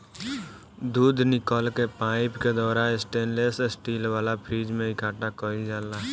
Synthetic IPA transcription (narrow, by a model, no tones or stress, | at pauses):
d̪uːd̪ʱnɪkɔːlkepaːɪpked̪ɔːɾaːnɪsʈẽːnleːsesʈiːlʋaːlapʰɾiːd͡ʒmẽɪkʰaːʈakɔɾid͡ʒaːlaː